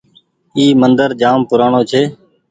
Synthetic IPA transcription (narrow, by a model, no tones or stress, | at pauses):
iːmənd̪əɾd͡ʒaːmpʊɾaːɳoːt͡ʃʰeː